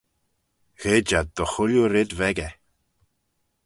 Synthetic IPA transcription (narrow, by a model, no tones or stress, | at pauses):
ɣ̥eːd͡ʒad̪̚d̪ɔxʊljuɾɪd̪vɛɡɛ